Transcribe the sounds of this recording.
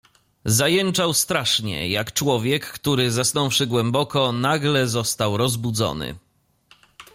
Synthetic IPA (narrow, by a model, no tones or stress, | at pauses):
zajɛnt͡ʂawst̪ɾaʂɲɛ̰jakt͡ʂwɔvʲjɛkːt̪uɾɘzasnɔ̃wfʂɘɡwɛmbɔkɔnaɡlɛzɔst̪awɾɔzbud̪zɔ̰nɘ̰